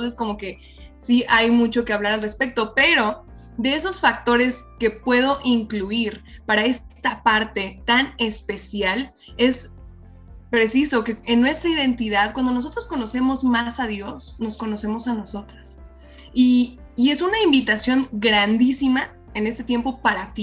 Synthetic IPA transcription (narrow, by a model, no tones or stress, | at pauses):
onsesko̞mo̞ke̞ | siʔajmut͡ʃo̞ke̞aβlaɾalre̞spe̞k̚t̪o̞pe̞ɾo̞ | d̪e̞eso̞sfak̚t̪o̞ɾe̞ske̞pwe̞ðo̞ʔiŋkluiɾpaɾae̞st̪apaɾt̪e̞t̪ane̞spe̞sjal | e̞s | pɾe̞siso̞ke̞enːwe̞st̪ɾaiðe̞nt̪iðaðkwand̪o̞no̞s̬o̞t̪ɾosko̞no̞se̞mo̞zmasaðjo̞sno̞sko̞no̞se̞mo̞sano̞so̞t̪ɾas | iː | e̞sunaimbit̪asjo̞ŋɡɾand̪isima | e̞ne̞st̪e̞t̪je̞mpo̞paɾat̪i